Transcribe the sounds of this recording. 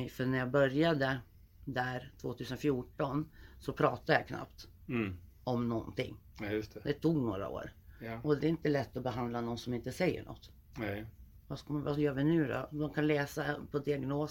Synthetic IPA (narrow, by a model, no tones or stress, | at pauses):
ɛfœɳæɾjɑbœɾjad̪ə | d̪æɾt̪ʰvoːt̪ʰʉ̟ːsənfjuːʈɔnsɔpʰɾɑːt̪ad̪əjakʰna̰pt̪ | ɔmnɔnt̪ɪ̰ŋːst̪ɛd̪ɛt̪ʰuːɡnoːɾa̰o̰ːɾɔd̪ɛɾɪnt̪əlɛt̪ːɔbɛɦand̪lanɔnːsɔmɪnt̪əsɛjːə̰ɳɔ̰t̪ː | vask̪vajœːɾvɪnʉ̟ːd̪ɔ̰d̪ɔmkʰanlɛːsapʰɔd̪ɪaɡnoːs